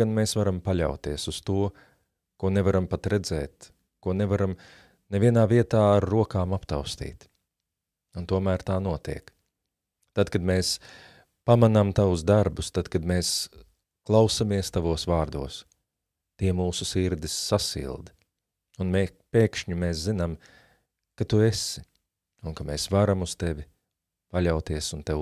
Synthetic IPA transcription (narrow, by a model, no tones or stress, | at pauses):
anmeːsvaɾampaʎʲa̰wt̪iɛsust̪uɔ | kuɔnɛvaɾampat̪ɾɛd̪zɛːt̪ | kuɔnɛvaɾam | nevʲiɛnaːviɛt̪aːaɾːuɔkaːmapt̪a̰wst̪ḭːt̪ | unt̪uɔmæːɾt̪aːnuɔt̪ḭɛk | t̪ad̪kad̪meːs | pamanamt̪avʊsd̪aɾbʊst̪ad̪̥kad̪meːs | klˠawsamiɛst̪avuɔsvaːɾd̪uɔs | t̪iɛmuːsusiɾd̪isːasḭlˠd̪ | unmepeːkʃɲumeːs̬zinam | kat̪uesɪ̥ | unkameːsvaɾamust̪ɛvʲɪ | paʎʲawt̪iɛsunt̪ɛ